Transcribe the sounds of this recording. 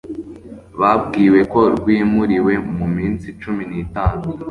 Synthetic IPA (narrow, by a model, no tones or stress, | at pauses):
βab̚ɡiːwe̞ko̞ɾɡwiːmuɾiwe̞mumiːnsit͡ʃuminitaːnu